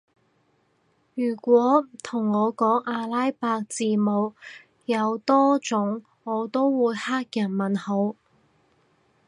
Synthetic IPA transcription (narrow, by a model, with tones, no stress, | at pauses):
jyː˨˩kʷɔː˨˥t̪ʰʊ˨˩ŋːɔː˨˧kɔː˨˥ŋʔaː˧laː˥jpaː˧k̚t͡siː˧mo˨˧w | jɐ˨˧wt̪ɔː˥t͡sʊ˨˥ŋ | ŋɔː˨˧t̪o˥wwuː˨˧jhaː˥k̚jɐ˨˩nmɐ˨nho˨˥w